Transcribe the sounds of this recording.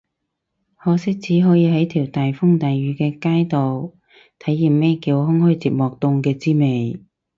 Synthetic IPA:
hɔː˧sɪ˥k̚t͡sʰiː˨˥ɦɔː˨˥jiː˨˧ɦɐ˨˥jt̪ʰiː˨˩wt̪aː˨jfʊ˥ŋt̪ɐː˨jɥyː˨˥kɛː˧kaː˥jt̪o˨w | t̪ʰɐ˨˥jːiː˨˩mmɛː˥kiː˧whʊ˥ŋhɔː˥jt͡siː˨p̚mɔː˨k̚t̪ʊ˧ŋkɛː˧t͡siː˥me˨j

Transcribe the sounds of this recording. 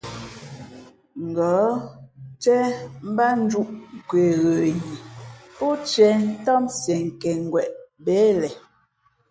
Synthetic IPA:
ŋ̩˨ɡɔ˨˦ | t͡ʃɛ˦m̩˦ba˦n̩˦d͡ʒu˦ʔŋ̩˨kwe˨ɣə˨ji˨po˦t͡ʃɛ˦n̩˦tɔ˦msjɛ˨ŋ˨kɛ˨ŋ˨ɡwɛ˨ʔbɛ˨˦lɛ˨

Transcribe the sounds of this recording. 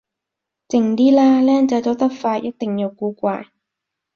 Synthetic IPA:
t͡sɪ˨˩ŋt̪iː˥laː˥lɛː˥nt͡sɐ˨˥jt̪o˨˥wt̪ɐ˥k̚faː˧jɐ˥t̚t̪ɪ˨ŋji˨˧wkuː˨˧kʷaː˧j

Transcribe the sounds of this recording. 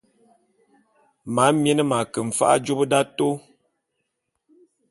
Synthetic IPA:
ma˨˦mjɛ˦nə˦ma˨kə˨ɱ̩˨fa̰˦ʔa̰˦d͡ʒo˦bə˦da˦to˦

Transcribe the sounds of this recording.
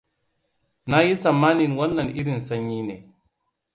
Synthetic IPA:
na˦ji˦sa˨ma˦ni˨nwa˦nːa˨ni˦ɾi˨n˨sa˨˦ɲːi˦ne˨

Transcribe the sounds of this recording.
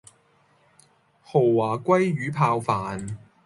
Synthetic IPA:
ho˨˩wwaː˨˩kʷɐ˥jɥyː˨˥pʰaː˧wfaː˨n

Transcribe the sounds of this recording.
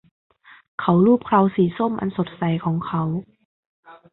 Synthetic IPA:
kʰa˦˥wluː˥˩p̚kʰlaː˧wsiː˩˦so˥˩˨mʔa̰˧nso˨˩t̪̚sa˨˩jkʰɔː˩˦ŋkʰa˦˥w

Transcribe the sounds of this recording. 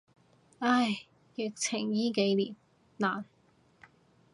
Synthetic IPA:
aː˧˩j | jɪ˨k̚t͡sʰɪ˨˩ŋjiː˥ke˨˧jliː˨˩m | laː˨˩n

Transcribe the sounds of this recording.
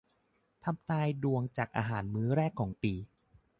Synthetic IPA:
t̪ʰa˧mnaː˧jdu˨˧˩əŋt͡ɕaː˨˩k̚ʔa̰ː˧ɦaː˩˦nmɯː˦˥ɾɛː˥˩kʰːɔː˩˦ŋpiː˧

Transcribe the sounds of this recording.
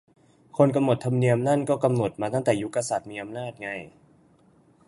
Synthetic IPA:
kʰo˧nk̬a˧mno˨˩t̪ʰa˧mni˧əmna˥˩˨nkɔː˥˩ka˧mno˨˩t̪̚maː˧t̪a˥˩ŋt̪ɛː˨˩ju˦˥kːa˧sa˨˩t̪̚miː˧ʔa˧mnaː˥˩t̪̚ŋa˧j

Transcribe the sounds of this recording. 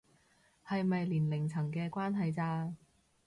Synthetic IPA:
hɐ˨jmɐ˨jliː˨˩nlɪ˨˩ŋt͡sʰɐ˨˩ŋkɛː˧kʷaː˥nɦɐ˨jt͡saː˧

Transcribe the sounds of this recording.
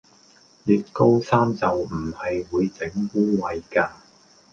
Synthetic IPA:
jyː˨t̚ko˥wsaː˥mt͡sɐ˨wm̩˨˩hɐ˨jwuː˨˧jt͡sɪ˨˥ŋwuː˥wɐ˧jkaː˧

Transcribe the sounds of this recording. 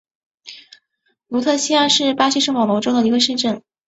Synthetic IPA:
lu˧˥t̪ʰɤ˥˩ɕi˥a˥˧ʂɻ̩˥˩pa˥ɕi˥ʂɤ˥˩ŋpɑ˨˩ŋlo˧˥ʊʈ͡ʂo˥d̪ə˨i˧˥ɡə˧ʂɻ̩˥˧ʈ͡ʂə˥˩n

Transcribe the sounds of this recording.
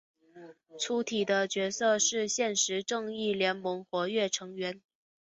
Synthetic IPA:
ʈ͡ʂʰu˧˥t̪ʰi˨˩d̪ə˦t͡ɕɥɛ˧˥sɤ˥˧ʂɻ̩˥˧ɕjɛ˥˩nʂɻ̩˧˥ʈ͡ʂɤ˥˧ŋi˥˩ljɛ˧˥nmɤ˧˥ŋxwɔ˧˥ɥɛ˥˩ʈ͡ʂʰɤ˧˥ŋɥɛ˧˥n

